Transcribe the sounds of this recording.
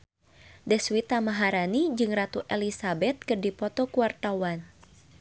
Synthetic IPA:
dɛswit̪amaɦaɾanid͡ʒɨŋrat̪uʔɛlisabɛt̪̚kərdipɔt̪ɔkuwart̪awan

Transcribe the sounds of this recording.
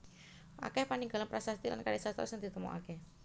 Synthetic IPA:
ʔa̰kɛhpaniŋɡalanpɾasast̪ila̰nkaɾisast̪ɔ̰səŋd̪̥i̤t̪əmɔ̰ʔa̰kɛ

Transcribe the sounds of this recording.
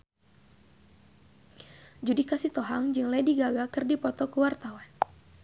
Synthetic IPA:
d͡ʒudikasit̪ɔɦaŋd͡ʒɨŋlɛdiɡaɡakɨrdipɔt̪ɔkəwart̪awan

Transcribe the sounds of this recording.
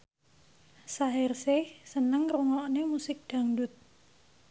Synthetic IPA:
saɦɪrsɪhsənəŋruŋɔʔnemusɪk̚d̪̥a̤ŋdʊt̪̚

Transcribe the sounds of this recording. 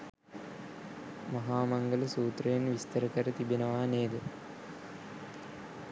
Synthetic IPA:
mɐɦaːmaŋɡələsuːt̪rəjenʋist̪əɾəkəɾət̪ibenəʋaːneːd̪ə

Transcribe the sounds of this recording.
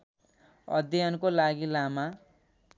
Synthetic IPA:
ʌ̰d̪jankolaɡilama

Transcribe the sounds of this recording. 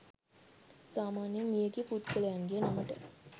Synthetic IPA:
saːmaːnjəmijəɡiput̪kələjanɡiənaməʈə

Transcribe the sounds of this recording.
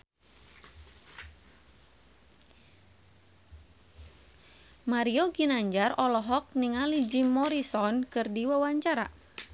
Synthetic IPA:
maɾioɡinaɲd͡ʒarɔlɔɦɔk̚niŋalid͡ʒimɔɾisɔnkɨrdiwawaɲt͡ʃaɾa̰

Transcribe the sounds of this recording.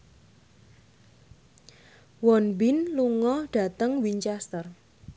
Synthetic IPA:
wɔnbɪnluŋɔɖ̥a̤t̪əŋwiɲt͡ʃɛst̪ər

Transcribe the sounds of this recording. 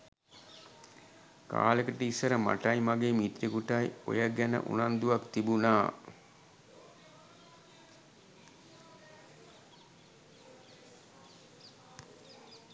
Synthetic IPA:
ka̰ːləkəʈəisəɾəma̰ʈajmaɡeːmit̪ɾikuʈajo̰jəɡænə̰ʔṵnand̪uʋakt̪ibunaː

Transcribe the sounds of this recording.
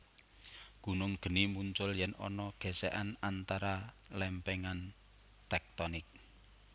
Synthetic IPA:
ɡ̥ṳnʊŋɡ̥ə̤nimuɲt͡ʃʊljɛnɔ̰nɔɡ̥ɛ̤sɛʔanant̪aɾa | lɛmpɛŋan | t̪ɛk̚t̪ɔnɪk̚

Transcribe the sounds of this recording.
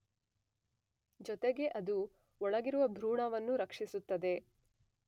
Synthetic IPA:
d͡ʒɔt̪e̞ɡe̞ʔɐd̪u | ɔɭɐɡiɾuʋɐbʱɾuːɳaːʋɐnːuɾɐkʂisut̪ːɐd̪e̞

